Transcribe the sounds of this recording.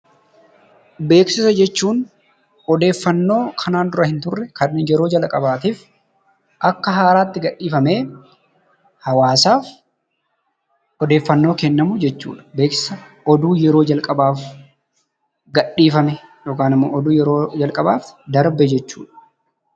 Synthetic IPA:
be̞ːksɪsɐd͡ʒɛt͡ʃːuːn | ɔd̪e̞ːfːɐnːo̞ːkʰɐnaːnd̪ʊɾɐhɪnt̪ʊrːɛkɐnjɛɾo̞ːd͡ʒɐlɐkʼɐbaːt̪iːf | ʔɐkːɐɦaːɾaːt̪ːɪɡɐɗːiːfɐmeː | hɐwaːsaːf | ɔd̪e̞ːfːɐnːo̞ːkɛnːɐmʊd͡ʒɛt͡ʃːṵːᶑɐ̥be̞ːksɪ̥sɐ | ɔd̪uːjɛɾo̞ːd͡ʒɐlkʼɐbaːf | ɡɐᶑːiːfɐmɛjoːkaːnɪmːo̰ːʔɔd̪uːjɛɾoːd͡ʒɐlkʼɐbaːfd̪ɐɾbɛd͡ʒɛt͡ʃːṵːᶑɐ̥

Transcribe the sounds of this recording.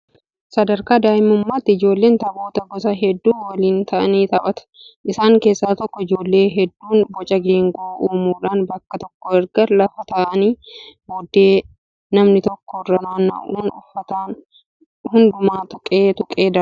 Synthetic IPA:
sɐd̪ɐɾkaːd̪aːjɪmʊmːaːt̪ːɪɪd͡ʒo̞ːlːe̞ːnt̪ɐbo̞ːt̪ɐɡɔsɐɦɛd̪ːuːwɐliːnt̪ɐʔɐniːt̪ɐʔɐt̪ɐ̥ | ʔɪsaːŋke̞ːsːaːt̪ɔkːɔɪd͡ʒo̞ːlːe̞ːɦɛd̪ːuːnbɔt͡ʃʼɐɡeːŋɡoːuːmuːᶑaːnbɐkːɐt̪ɔkːɔɛɾɡɐɾlɐfɐt̪ɐʔɐniːboːd̪eː | nɐmnɪt̪ɔkːɔrːɐnaːnɐ̰ʔufɐt̪an | hʊnd̪ʊmaːt̪ʊkʼeːt̪ʊkʼeːd̪ɐɾ

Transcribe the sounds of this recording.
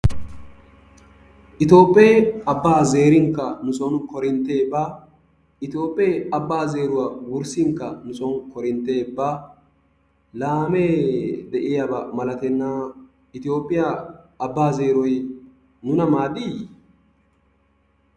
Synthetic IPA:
ʔɪt̪o̞ːpʼːeːɐbːaːze̞ːɾɪŋkːɐnʊsɔnkɔɾɪnt̪ːe̞ːbaː | ɪt̪jo̞ːpʼːeːɐbːaːze̞ːɾʊwawʊɾsɪŋkːɐnʊsɔnkɔɾɪnt̪ːe̞ːbːaː | laːmeːd̪ɛʔɪjabɐmɐlɐt̪ɛnːaː | ɪt̪ɪjo̞ːpʼːɪjaː | bːaːze̞ːɾɔj | nʊnɐmaːd̪i

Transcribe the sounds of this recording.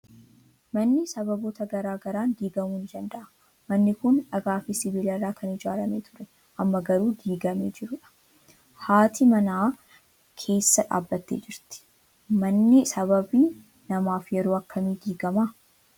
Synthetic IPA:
mɐnːɪsɐbɐboːt̪ɐɡɐɾaːɡɐɾaːnɡiːɡɐmuːnɪd͡ʒɐnd̪ɐʔɐ | mɐnːɪkʊnᶑɐɡaːfɪsɪbiːlɐrːaːkʰɐnɪd͡ʒaːlɐmeːt̪ʰʊ̥ɾɛ | ʔɐmːɐɡɐɾuːɡ̪iːɡɐmeːd͡ʒɪɾʊᶑɐ̥ | haːt̪ʰimɐnaː | kʰe̞ːsːɐᶑa̰ːbːɐt̪ːḛːd͡ʒɪɾt̪ɪ̥ | mɐnːɪsɐβɐbiː | nɐmaːfjɛɾoːɐkːɐmiːɡiːɡɐma

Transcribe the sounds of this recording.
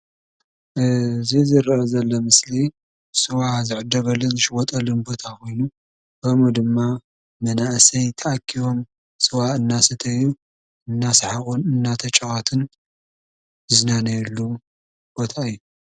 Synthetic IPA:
ʔɨzizɨɾʔɐzɐlːɐmɨsli | sʼɨwazɨʕɨd̪ːɐβɐlːɨnzɨʃɪwɔt̪ʼɐlɨnbo̞t̪ʰako̞jnu | kʰɐmud̪ɨmːa | mɐnaʔsɐjt̪ʰɐʔakʰːiwo̞m | sʼɨwaɨnːasɨt̪ʰɐjːu | ɨnːasħaxunɨnːat̪ʰɐt͡ʃʼɐɣʼat̪ʰɨn | ɨznanɐlːu | b̥o̞t̪ʰaɨjːu

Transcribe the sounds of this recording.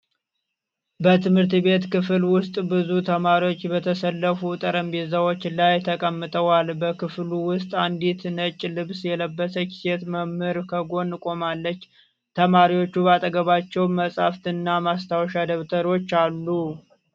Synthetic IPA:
bət̪ʰɨmhɨɾt̪be̞t̪kɨfɨlwʊst̪ʼbɨzut̪ʰəmaɾiwo̞t͡ʃːbət̪ʰəsəlːəfut̪ʼəɾəmbezəwo̞t͡ʃːlajt̪ʰəkʼəmːɨt̪ʼəwalbəkʰɨfluwʊst̪ʼand̪it̪nət͡ʃʼːlɨβsjɛləbːəsəki̥set̪məmːɨɾkʰəɡo̞nːkʼo̞malːət͡ʃː | t̪ʰəmaɾiwo̞t͡ʃːubat̪ʼəɡəβat͡ʃːɛwməsʼaft̪ʰɨnːamast̪ʰawʃad̪əβt̪ʰəɾo̞t͡ʃːalːu

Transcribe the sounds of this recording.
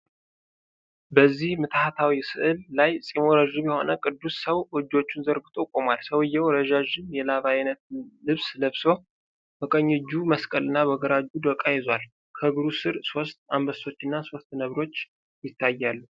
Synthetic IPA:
bəzːihmɨt̪ʰhat̪ʰawisɨʔɨlːajsʼimoɾəʒuβjɛho̞̰nəkʼɨd̪ːusːəwʔɔd͡ʒːot͡ʃːunzəɾɡɨt̪ʼokʼomalsəwɨjːɛwɾəʒaʒɨmjɛlaβajnət̪̚lɨβsləβso̞ | bəkʼəɲːɨd͡ʒːuməskʼəlɨnːabəɡəɾad͡ʒud̪əkʼːajɛzwal | kʰəɡɨɾusɨɾso̞st̪ambəso̞t͡ʃːɨnːaso̞st̪nəβɾo̞t͡ʃː | jɪt̪ʰːajːalːu

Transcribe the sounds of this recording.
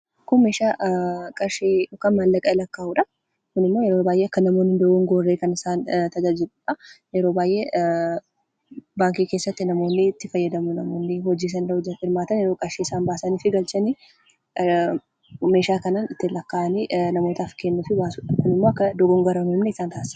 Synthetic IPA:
kʊnmeːʃaːkʼɐɾʃeːɔkanmɐlːɐkʼɐɪlɐkːaːʔuᶑɐ | kʊnɪmːo̞ːjɛɾo̞ːbaːjʔeːɐkːɐnɐmo̞ːnhɪnd̪ɔɡɔŋɡoːrːeːkɐnɪsaːnt̪ɐd͡ʒaːd͡ʒɪɾʊːᶑɐjɛɾo̞ːbaːjʔe̞ː | baːŋkiːkeːsːɐt̪ːɪnɐmo̞ːnːɪt̪ːɪfɐjːɐd̪ɐmʊnɐmoːnːɪhɔd͡ʒiːs̬ɐnɾɐd͡ʒɐhɪɾmaːt̪ɐnjɛɾoːkʼɐɾʃeːɪsaːnbaːsɐniːfɪɡɐlt͡ʃɐni | me̞ːʃaːkɐnaːnɪt̪ːɪlɐkːaːʔɐniːnɐmo̞ːt̪ɐfkenːʊfɪbaːsuːᶑɐkʊnɪmːoːɐkːɐd̪ɔɡɔŋɡɐɾɐmʊɪmnɛɪsaːnt̪aːsɐ̥

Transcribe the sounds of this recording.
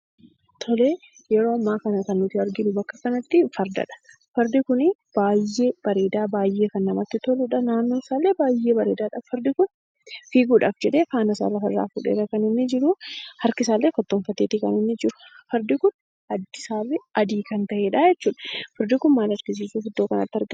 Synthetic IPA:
t̪ʰɔleː | jɛɾo̞ːɐmːaːkɐnɐkɐnːʊt̪ɪɐɾɡɪnʊbɐkːɐkɐnɐt̪ːɪfɐɾd̪ɐ̰ᶑɐ̥ | fɐɾd̪ɪkʊnɪb̥aːjːe̞ːb̥ɐɾe̞ːd̪aːbaːjːe̞ːkɐnːɐmɐt̪ːɪt̪ɔlʊᶑɐnaːnːoːsaːlːeːbaːjːe̞ːbɐɾe̞ːd̪aːᶑafɐɾd̪ɪkʊn | fiːɡuːᶑaːfd͡ʒɛᶑe̞ːfaːnɐsa̰ːlɐfɐɾa̰ːfʊ̰ᶑḛːɾɐkɐnɪnːɪd͡ʒɪɾʊhɐɾkɪsaːlːeːkɐt̪ːoːnfɐt̪ːeːt̪ːɪkɐ̰nɪnːɪd͡ʒɪɾʊ̥fɐɾd̪ɪkʊn | ɐd̪ːɪsaːlːɪʔɐd̪iːkɐnt̪ɐʔeːᶑaːd͡ʒɛt͡ʃːuːᶑɐ̥fɐɾd̪ɪkʊnmaːlɐɾɡɪs̬iːsuːfʊd̪ːoːkɐnɐ̰t̪ːɐɾɡ

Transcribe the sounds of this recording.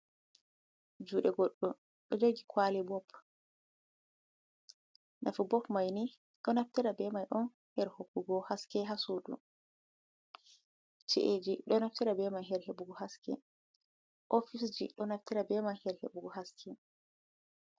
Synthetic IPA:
d͡ʒuːɗɛɡɔɗːɔ | ɗɔd͡ʒoɡikʰwalɛbɔp | nʔa̰fubɔkmajni | ɗɔnaftiɾabɛmajɗɔn | hɛɾhokːuɡɔhaskɛɦasudṵ | t͡ʃḭʔed͡ʒiɗɔnaftiɾabɛmajɦɛɾhebuɡɔhaskɛ̰ | ʔofisd͡ʒḭɗɔnaftiɾabɛmajhɛɾhḛbuɡɔɦaskʰɛ

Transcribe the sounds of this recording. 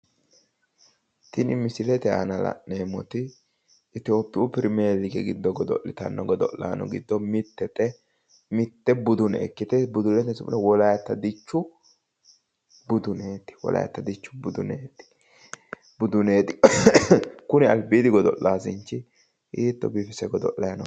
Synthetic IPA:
t̪ɪnɪmɪsɪlɛt̪ɛɐ̰nɐlɐ̰ʔneːmɔt̪ɪː | t̪ɪo̞ːpːɪupɪɾmeːlɪɡɛɡɪd̪ːɔɡɔd̪ɔ̰ʔːɪt̪ɐ̰nːɔɡɔd̪ɔ̰lːa̰ːnɔ̰ɡɪd̪ːɔmɪt̪ːɛt̪ɛ | mɪt̪ːɛbʊd̪ʊnɛɛ̰kːɪt̪ɛbʊd̪ʊlɛt̪ɛsʊmɪnɛwɔlɐjɐt̪ːɐd̪ɪt͡ʃːʊ | bʊd̪ʊneːt̪ɪ̥wɔ̰lɐ̰jɐ̰t̪ːɐd̪ɪt͡ʃːʊ̥bʊd̪ʊ̰neːt̪ɪ̥ | bʊd̪ʊne̞ːt̪ɪ | kʊnɛɐlbiːd̪ɪɡɔd̪ɔʔːaːsɪnt͡ʃːɪ | ʔiːt̪ːɔ̰bifɛsɛɡɔd̪ɔ̰ʔɐjɐnɔ

